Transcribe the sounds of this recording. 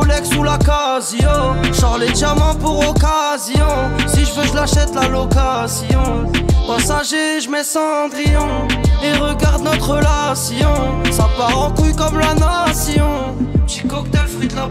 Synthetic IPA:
lɛksulakazjɔ̃ʃɑ̃ʁled̪amɑ̃puʁɔkazjɔ̃siʒəvøʒəlaʃɛt̪lalɔkasjɔ̃pasaʒeʒəmɛsɑ̃d̪ʁijɔ̃eʁəɡaʁd̪nɔt̪χəlasjɔ̃sapaʁɑ̃klykɔmlanasjɔ̃ | ʒikɔkt̪ɛlfχid̪la

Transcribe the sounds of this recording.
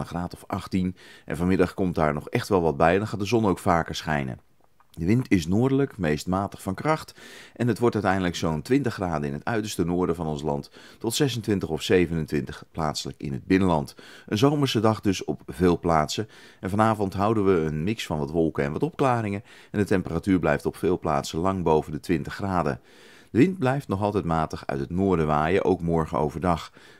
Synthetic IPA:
əχraːtɔfʔɑχtinʔɛ̰nvɑnmɪdɑχkɔmt̚daːɹnɔχɛχtʋɛlˠʋɑd̚bɛjndɑnχaːt̚dəzɔnowkfaːkəɹsχɛ̰jnə̰ | dəʋɪntɪsnʊːɹdələkmejstmaːtə̥χfɑnkrɑχtʔɛnɦətʋɔɹtœɥtɛjndələksowntʋɪntəχraːdənɪnətœɥtəɹstənʊːɹdənvɑnɔnslɑ̰nttɔtsɛs̬əntʋɪntəχɔfsejvənəntʋɪntəχpla̰ːtsələkɪ̰nɦəd̚bɪnəlɑntʔənzowməɹsədɑχdɵsɔpvɪːlˠplaːtsəɛnvɑnaːvɔntɦʌwdənʋəːnmɪksfɑnʋɑtʋɔlˠkəɛ̰nʋɑtɔpklaːɾɪŋəɛndətɛmpəratyːɹblɛjftɔpfɪːlˠpla̰ːtsəlɑŋbowvəndətʋɪntəχraːdə̰ | d̥əʋɪnd̚blɛjftnɔχɑlˠtɛjtmaːtəχœ̰ɥtɦətnʊːɹdəʋaːjəʔo̰wkmɔɹχə̰o̰wvəɹdɑχ

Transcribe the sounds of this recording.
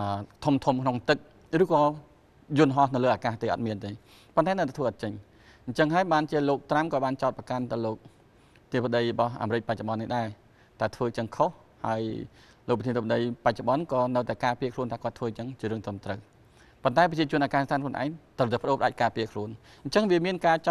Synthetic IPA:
əːt̪ʰumt̪ʰumkʰnoŋt̪ɨk̚ | rɨːkɑː | jʊnɦɑhnɨwləːaːkaːht̪eːʔɑ̰t̪̚miənt̪eː | pont̪aɛnəwt̪aɛt̪ʰʋəːʔɑɔt̪̚t͡ɕəɲ | ɲt͡ɕəŋɦaəjɓaːnt͡ɕiəloːk̚t̪ramkɑːɓaːnt͡ɕaɔt̪̚prɑkant̪ɨəwloːk̚ | t̪iəpaɗəjrɔɓɑhʔa̰ːmɾɨc̚pac̚t͡ɕoɓɑnːihɗaɛ | t̪ʰaɛt̪ʰʋəːt͡ɕəŋkʰoh | ha̰əj | loːk̚pətʰinet̪ʰəp̚ːaɗəjpac̚t͡ɕoə̆ɓɑnkɑːnɨwt̪aɛkaːpiəkʰluənt̪ʰaːkoət̪ʰʋəːt͡ɕəŋt͡ɕiəɾɨəŋt̪rəmt̪rəw | pont̪aɛp̬ət͡ɕiət͡ɕʊ̆ənʔaːɡaːnist̪ʰaːnklŭənʔa̰ɛŋt̪rəwt̪aɛpəɗoːpʰəɗac̚kaːpiəkʰluən | ɲt͡ɕəŋʋiəmiənkaːt͡ɕ

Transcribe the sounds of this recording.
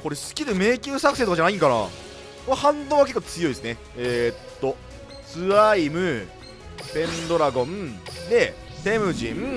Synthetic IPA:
ko̞ɾe̞sɨ̥kʲiɾɯ̟me̞ːkʲɨːsakɯ̟̥seːt̪okad͡ʑanaĩŋkana̰ː | kahãnd̪õːβak̬e̞kːot͡sɨjo̞isɨne̞ | eːt̪ːo̞ | sɨaimɯ̟ | pẽ̞nd̪o̞ɾaɡõ̞nd̪e̞t̪e̞mɯ̟ʑḭ̃m

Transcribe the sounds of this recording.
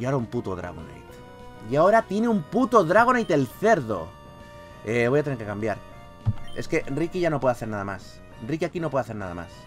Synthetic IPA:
aoɾaumput̪oðɾa̰ɣ̞o̰nḛjt̪ | iao̞ɾat̪je̞neumput̪o̞ðɾaɣonejt̪elθe̞ɾðo̞̰ | eβo̞jat̪eneɾke̞kambjaɾ | e̞̰ske̞ʔnrikiʝano̞pweaθe̞ɾnaðamas | enrikiakino̞pweaθenaða̰ma̰s

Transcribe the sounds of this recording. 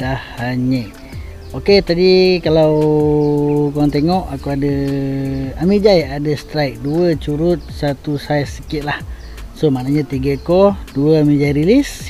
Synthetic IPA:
dahːaɲəʔ | oket̪adikalaw | koaŋt̪eŋɔʔakuadə | amid͡ʒajadəst̪ɾaik̚duət͡ʃuɾʊt̪̚sat̪usajsːəkit̪̚lah | somaʔnaɲət̪iɡəkɔduəamid͡ʒaiɾilis

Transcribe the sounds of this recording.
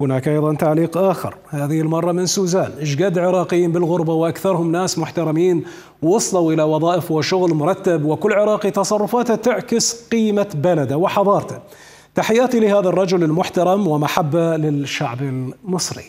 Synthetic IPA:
hʊnaːkʔɑjðˤɑnt̪aʕliːqʔaːxɪ̰ɾhaːðɪhɪlmɑrˤːɑmɪnsuːzaːnʔɪd͡ʒɡaːd̪ʕɪɾˤɑːqɪjːiːmbɪlɣʊɾbawʔakθɑɾˤhʊmnaːsmʊħt̪ɑɾˤɑmiːn | wɑsˤlawʔɪlawɑðˤɑːʔɪfwɪʃʊɣlmʊɾˤɑt̪ːabwɪkʊlːʕɪɾˤɑːqit̪ɑsˤɑrˤːʊfaːt̪at̪ɪʕkɪsqiːmabalad̪awɪħɑðˤɑːɾˤt̪ḁ | t̪aħɪjːaːt̪ilɪɦaːðarˤːɑd͡ʒʊlɪlmʊħt̪ɑɾˤɑmwɪmaħabːalɪʃːaʕbɪlmɨsˤɾḭ

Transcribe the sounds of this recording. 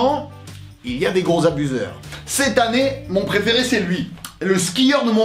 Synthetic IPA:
ɑ̃ | iliad̪eɡʁozabyzœ̰ːʁsɛt̪anemɔ̃pχefeʁesɛlɥiləskʲijœʁd̪əmɔ̃

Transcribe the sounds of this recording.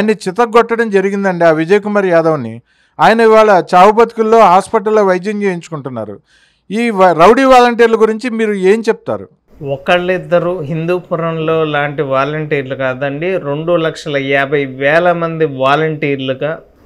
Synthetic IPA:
jnːit͡ʃit̪ɐɡɔʈːɐɽɐmd͡ʒɐɾiɡind̪ɐɳɖiaːʋid͡ʒɐjɐkumɐɾjaːd̪ɐʋɐnːḭ | aːjɐnɐiʋaːɭɐt͡ʃaːʋup̬ɐt̪i̥kulːo̞ːɦaːspɐʈ̬ɐlːɐʋɐjd̪jɐmd͡ʒeːjiɲt͡ʃu̥kuɳʈunːa̰ːɾṵ | iːɾɐwɽiːʋaːlɐɳʈ̬iːɾlɐɡuɾiɲt͡ʃimiːɾue̞ːmt͡ʃep̚ut̪a̰ːɾṵ | ɔkɐɭid̪ːɐɾuɦind̪uːpuɾɐmlo̞ːlaːɳʈiʋaːlɐɳʈiːɾlukaːd̪ɐɳɖiɾeɳɖulɐkʂɐlɐɛːbʱɐjʋɛːlɐmɐnd̪iʋaːlɐɳʈiːɾluɡaː

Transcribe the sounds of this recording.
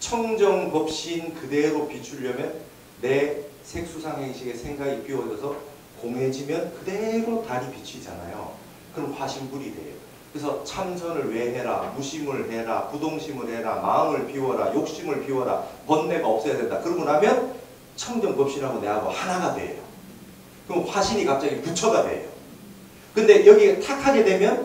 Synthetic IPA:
t͡ɕʰʌŋd͡ʑʌŋkʌp̚ɕ͈inkɯde̞ɾopit͡ɕʰuʎjʌmjʌnː | e̞ | sʰe̞k̚s͈ʰusʰaŋɦe̞ŋɕʰiɡe̞sʰe̞ŋɡaɡipiwʌd͡ʑʌsʰʌ | koŋɦe̞d͡ʑimjʌnkɯde̞ɾotaɾipit͡ɕʰid͡ʑa̰na̰jo̰ | kɯɾʌmkaɕʰimbuɾidwe̞̰jo | kɯɾesʰʌt͡ɕʰamd͡ʑʰʌnɯɭwe̞ɦe̞ɾa̰muɕʰimɯɭɦe̞ɾa̰pudoŋɕʰimɯɭhe̞ɾa̰maɯmɯɭpiwʌɾa̰jok̚ɕ͈imɯɭpiwʌɾa̰pʌnːe̞ɡaʌp̚s͈ʌjadwe̞ndakɯɾʌmunɦamjʌn | t͡ɕʰʌŋɡʌŋkʌp̚ɕ͈iɾɦaɡone̞ɦaɡohanaɡadwe̞̰jo̰ | kɯʌɸwaɕʰiɲikap̚t͡ɕ͈aɡiput͡ɕʰʌɡadwe̞̰jo̰ | kɯnde̞jʌɡitʰakʰaɡe̞dwe̞mjʌn

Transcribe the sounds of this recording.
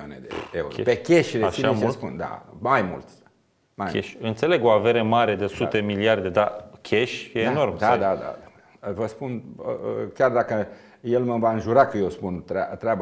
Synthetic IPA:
anḛd̪ḛeuɾo̰pe̞kʲeʃɾesinspund̪a̰majmṵlt̪ʲ | majeʃɨnt̪se̞le̞ɡoave̞ɾemaɾe̞d̪e̞sut̪e̞miliard̪e̞d̪akʲʰeʃʲjeːno̞rmd̪ad̪ad̪a̰ | vəspunəkʲjard̪akə | je̞lməvaɨnʒuɾakəjewspunt̪ɾat̪ɾʲeab

